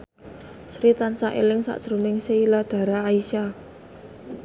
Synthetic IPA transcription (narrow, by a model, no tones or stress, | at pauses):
sɾit̪ansaʔḛlɪŋsa̰ʔsɾumɪŋseilad̪̥a̤ɾaːiʃa